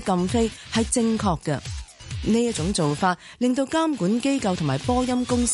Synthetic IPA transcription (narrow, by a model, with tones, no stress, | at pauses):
kɐ˧mfe˥jhɐ˨jt͡sɪ˧ŋkʰɔː˧kːɐ˧neː˥jɐ˥t̚t͡sʊ˨˥ŋt͡so˨wfaː˧t̚lɪ˨ŋt̪o˧wkaː˥mkuː˨˥nke˥jkɐ˧wt̪ʰʊ˨˩ŋmaː˨˩jpɔː˥jɐ˥mkʊ˥ŋs